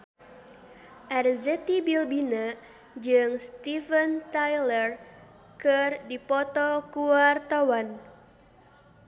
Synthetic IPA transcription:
ʔɛrzɛt̪ibilbina | d͡ʒɨŋst̪ifənt̪ajlər | kɨrdipɔt̪ɔkuart̪awan

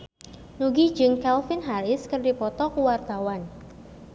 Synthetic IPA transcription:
nuɡid͡ʒɨŋkɛlfɪnɦaɾɪskɨrdipɔt̪ɔkuwart̪awan

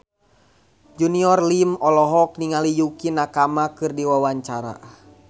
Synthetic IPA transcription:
d͡ʒuniɔrlimɔlɔɦɔk̚niŋalijukinakamakɨrdiwawaɲt͡ʃaɾa̰

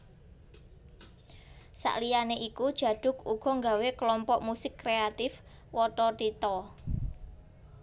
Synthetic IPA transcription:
sa̰ʔlijaneʔikud̥ʒ̥ä̤ɖ̪̥ʊ̤kuɡ̥ɔ̤ŋɡawekəlɔmpɔʔmusɪkːɾeat̪ɪf | wɔʈɔʈ̪it̪ɔ

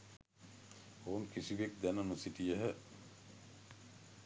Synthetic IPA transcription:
oŋkisiʋek̚d̪ænəməsiʈijəɦə

